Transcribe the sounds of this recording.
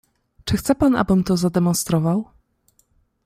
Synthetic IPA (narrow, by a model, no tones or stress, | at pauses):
t͡ʂɘxt̪sɛpana̰bɘmt̪ɔzad̪ɛmɔ̃nst̪ɾɔvaw